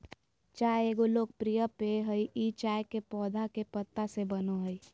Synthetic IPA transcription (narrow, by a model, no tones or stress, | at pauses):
t͡ʃaːeeːɡoloːɡ̚pɾijəpeɦəiʔit͡ʃaːjkepɔːd̪ʱakepət̪ːasebənoɦəi